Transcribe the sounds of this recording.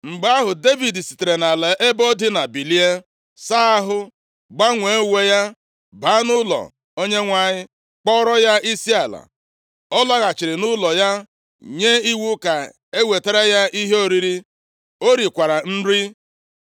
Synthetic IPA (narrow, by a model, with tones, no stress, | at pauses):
ŋ͡m̩˨ɡ͡ba˦ɦʊ˨de˦vi˨di˨si̥˨te˨ɾe˨na˨le˨ʔe˦bɔ˦dɪ˦na˨bi˨li˦e˦ | sa˦a˦ɦʊ˦ | ɡ͡ba˦ŋʷe˨˦we˦ja˦ | ba˦nʊ˦lɔ̰˨ | o˦ɲe˦ŋʷa˦˨ɲɪ˦ | k͡pɔ˦ɾɔ˦ja˦i˦si˦a˨la̰˨ | ɔ˦lɔ˦ɣa˨t͡ʃɪ˨ɾɪ˨nʊ˦lɔ˨ja˦ | ɲe˦i˦wu˦ka˨ | e˦we˨te˦ɾe˦ja˦ʔi˦ɦe˦o˦ɾi˦ɾi˦ | o˦ɾi˨kʷa˨ɾa˨n̩˦ɾi˦